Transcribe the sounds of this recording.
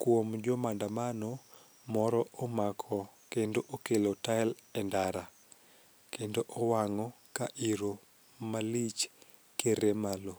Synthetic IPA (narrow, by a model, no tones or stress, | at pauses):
kwomd͡ʒomandamano | mɔɾɔomakʰɔkendoʔokelotaɛlɛndaɾa | kendoʔowaŋɔ | kaʔiɾo | malit͡ʃ | keɾemalo